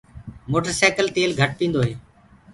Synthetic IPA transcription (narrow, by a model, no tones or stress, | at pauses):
moːʈəɾsaːkəlt̪eːlɡʱəʈ̚pĩːnd̪oːɦeː